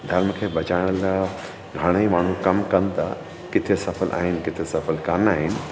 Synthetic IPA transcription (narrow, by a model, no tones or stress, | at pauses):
d̪ʱɐɾməkʰeːʋɐt͡ɕaːɪ̃ɽ̃əl | ɡʱaːɽ̃əimaːɳ̤̃ũkɐmkɐn̆t̪ɐ | kɪt̪ʰesɐfəlʔa̰ːɦɪnɪ̆kɪt̪ʰesɐfəlkanaːɦɪnɪ̆